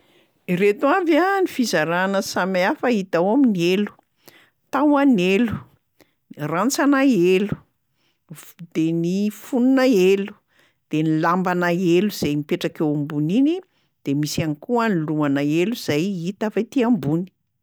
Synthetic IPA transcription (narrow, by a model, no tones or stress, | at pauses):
ret̪uavanifizaɾanəsamiafəit̪awaminielu̥ | t̪awanelu̥ | rant͡sanaelu̥ | d̪̥enifununaelu̥ | d̪̥enilambanaeluz̥ajmipeʈ͡ʂakewambunini | d̪̥emisanikuaniluanaeluz̥ajit̪afajt̪iambuni̥